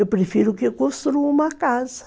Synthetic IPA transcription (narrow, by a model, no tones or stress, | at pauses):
ewpɾefiɾʊkɪkõst̪ɾuumɐkazɐ̥